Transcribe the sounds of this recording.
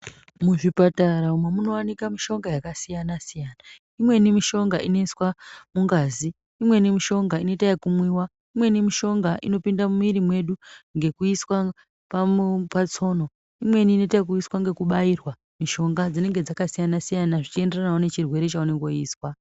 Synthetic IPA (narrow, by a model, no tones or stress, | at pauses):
muʐipataɾaumwemuno̞wanikamiʃo̞ŋɡajakasijanasijaːna | imwe̞nimiʃo̞ŋɡaʔino̞iswamuŋɡaːziː | mwe̞nimiʃo̞ŋɡaino̞itajekumwiːwa | imwe̞nimiʃo̞ŋɡaʔḭno̞pindamumiɾimwe̞ɗuŋɡe̞kuiswa | papat͡so̞ːno̞ | imwe̞niːno̞taek̬uiswaŋɡe̞kuɓairwa | miʃo̞ŋɡad͡zine̞ŋɡe̞d͡zakasijanasijanaʐit͡ʃie̞nde̞ranaonet͡ʃirwe̞ɾet͡ʃaoneɡoiːswa